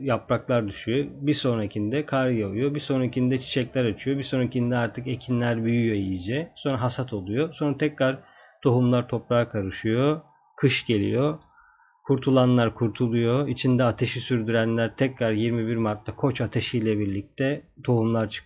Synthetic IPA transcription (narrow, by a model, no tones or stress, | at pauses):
japɾaklˠaɾd̪yʃyjobiso̞necʰind̪ɛkʰaɾjalˠujobiso̞nicʰind̪ɛt͡ʃʰi̥ʃɛclʲæɾat͡ʃʰyjo̞biso̞nicʰind̪ɛaɾt̪ʰɯke̞cʰinlʲæɾbyjyjoijid͡ʒɛso̞nɾaɦasat̪ʰo̞lˠujoso̞nɾat̪ʰɛcɾaɾ | t̪ʰo̞ɦumlˠaɾt̪ʰo̞pɾaːakʰaɾɯʃɯjo | kʰɯʃɟe̞lʲḭjo̞ | kʰuɾt̪ʰulˠanlˠaɾkʰuɾt̪ʰulˠujoit͡ʃʰind̪ɛat̪ʰe̞ʃisyɾd̪yɾænlʲæɾt̪ʰɛcɾaɾjiɾmibiɾmaɾt̪lˠakʰo̞t͡ʃat̪ʰeʃijlʲɛbiɾlʲic̚t̪ʰɛt̪ʰo̞humlˠaɾt͡ʃʰɯ̥